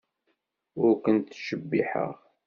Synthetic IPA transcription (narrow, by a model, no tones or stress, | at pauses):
ʊɾkənt̪ʃəbːiħə̰ʁ